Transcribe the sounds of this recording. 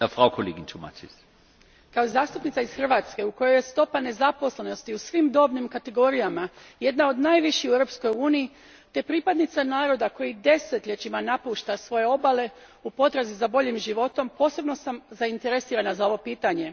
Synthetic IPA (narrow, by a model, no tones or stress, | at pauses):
əfʁaʊkʰolḛːɡɪntʰoma̰tʰis | kaozaːst̪upnit̪saizxr̩ʋaːt̪ske̞uko̞jo̞je̞st̪o̞pane̞zapo̞sle̞no̞st̪iusʋimd̪o̞ːbnimkat̪e̞ɡo̞ɾijamaje̞d̪nao̞d̪najʋiʃiueɾopsko̞juːnii | t̪e̞pɾipad̪nit̪sanaːɾo̞d̪ako̞jid̪e̞se̞t̪ʎe̞t͡ɕimanapuːʃt̪asʋo̞je̞o̞bale̞ | upo̞t̪ɾazizabo̞ʎimʒiʋo̞t̪o̞mpo̞ːse̞bno̞samzaint̪e̞ɾesiːɾanazao̞ʋo̞piːt̪aɲe̞